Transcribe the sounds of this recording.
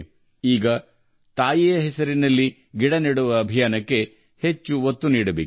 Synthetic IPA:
iːɡɐ | t̪aːjijɐɦɛsɐɾinɐlːi | ɡiɽɐneɽuʋɐːbʱijaːnɐkːe̞ | he̞t͡ʃːuot̪ːuniːɽɐbeːk

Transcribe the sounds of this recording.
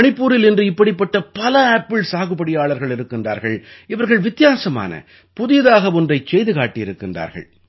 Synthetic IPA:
ɐɳɪpːuːɾɪlɪndrɯɪpːɐɽɪpːɐʈːɐpɐlɐaːpːɪɭsaːɣɯpːɐɽɪjaːɭɐɾɣɐɭɪɾɯkːɪndra̰ːɾɣɐɭɪʋɐɾɣɐɭʋɪt̪ːɪjaːsɐma̰ːnɐ̰ | pʊðɪjɐðaːɣɐʊndrɐɪt͡ʃːɛjðɯɣaːʈːɪjɪɾɯkːɪndra̰ːɾɣɐ̰ɭ

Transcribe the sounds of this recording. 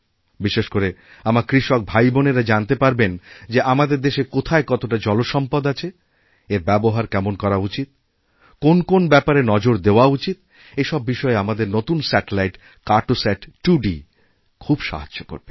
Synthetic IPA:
biʃeʃkoɾe | amaɾkɾiʃok̚bʱajboneɾad͡ʑant̪epaɾbend͡ʑeʔamad̪eɾd̪eʃekot̪ʰaekɔt̪oʈad͡ʑɔloʃɔmpad̪at͡ɕʰe | eɾbɛboɦaɾkɛmonkɔɾaut͡ɕit̪̚ | konkonbɛpaɾenɔd͡ʑoɾd̪eoaut͡ɕit̪̚ | eʃɔbːiʃɔeamad̪eɾnot̪unsɛʈelajʈ | kaɾʈosɛʈʈuɖi | kʰubʃa̰ɦadoko̰ɾbe

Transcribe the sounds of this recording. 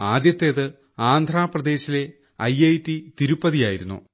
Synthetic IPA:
aːd̪jɐt̪ːe̞ːðɨ | aːnd̪ʱraːprɐd̪e̞ːɕile̞ | ɐjɐjtːit̪iɾupːɐðijaːjiɾunːṵ

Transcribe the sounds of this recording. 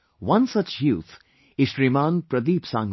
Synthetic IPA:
wʌ̃nsɐt͡ʃjuːt̪ʰ | ɪʃɾimãːnpɾɐd̪iːpsãŋ

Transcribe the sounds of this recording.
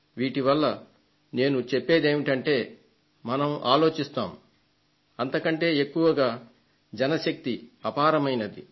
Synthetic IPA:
ʋiːʈiʋɐlːɐ | ne̞ːnut͡ʃepːe̞ːd̪e̞ːmiʈɐɳʈe̞ː | mɐnɐmʔaːlo̞ːt͡ʃist̪aːm | ɐnt̪ɐkɐɳʈe̞ːekːuʋɐɡaː | d͡ʒɛnɐʃɐk̚t̪iɐpaːɾɐmɐjnɐd̪ḭ

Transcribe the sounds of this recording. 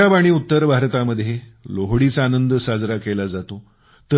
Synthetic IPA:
abaɽ̃iːut̪ːəɾbʱaɾt̪aməd̪ʱjeloɦɽit͡saːnənd̪sad͡zɾakelad͡zat̪o | t̪ə

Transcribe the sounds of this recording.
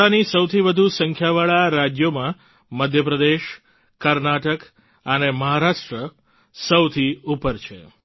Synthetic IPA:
anisəwt̪ʰibəd̪ʱusəŋkʰjaʋaɭaɾad͡ʒjomã | məd̪ʱjəp̬ɾəd̪eʃ | kəɾnaʈək | əneməɦaɾaʂʈɾə | səwt̪ʰiupəɾt͡ʃʰḛ

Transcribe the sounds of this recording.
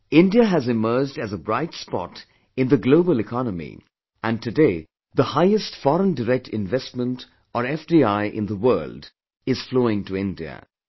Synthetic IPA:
ɪ̃ndiəæzɨmɜ˞d͡ʒdɨzəbɾaɪtspɔ̰t | ɨ̃ndðəɡloʊbəlɨkʰɑnəmḭ | æ̃ntɨdeɪ | ðəhaɪɨstfɔɾə̃ndəɾɛk̚tʰɪ̰̃nvɛstmə̃nt | əɾɛfdiaɪʔɪ̰̃nðəwɜːld | ɪz̥floːɪ̃ŋtəɪ̃ndiə̰

